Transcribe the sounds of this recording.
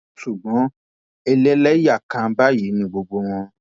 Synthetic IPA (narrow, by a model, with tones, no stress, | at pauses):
ʃu˨ɡ͡bɔ̃˨˦ | e˧le˦lɛ˦ja˦˨kã˧˦ba˦ji˨˦nĩ˦ɡ͡bo˧ɡ͡bo˧w̃ɔ̃˧